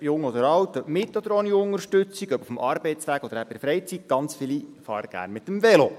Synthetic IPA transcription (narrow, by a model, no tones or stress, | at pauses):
jʊŋːɔd̪əɾɑwt̪əmɪt̪ːɔd̥̪əɾɔniʊŋəɾʃtɵt͡siɡœbufm̩ʔɑɾbɛɪtt͡sʋæɡ̥ɔd̪əɾæpɪfɾɛɪt͡sit̚ɡ̥ɑnt͡sfɪlifɑ̰ːɾəɡ̥æ̰ːɾnmɪt̪əmvɛlo